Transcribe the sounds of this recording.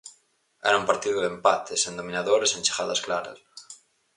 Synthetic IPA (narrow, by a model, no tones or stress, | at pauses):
ɛ̰ɾɐumpaɾt̪iðoðempat̪ʰesend̪omĩnaðoɾesent͡ʃe̥xaðasklaɾa̰s